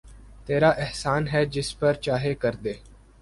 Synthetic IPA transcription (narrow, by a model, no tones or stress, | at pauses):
t̪eːɾaːʔɪɦsaːnɦɛːd͡ʒɪspəɾt͡ʃaːɦekəɾd̪eː